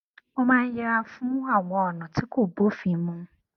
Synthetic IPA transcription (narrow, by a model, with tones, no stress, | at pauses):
ɔ˦mã˦n̩˦jɛ˨ɾa˨fʊ̃˦a˨wɔ˦˨nɔ̃˨tʰɪ˦ko˦˨bo˦fi˨˦mʊ̃˦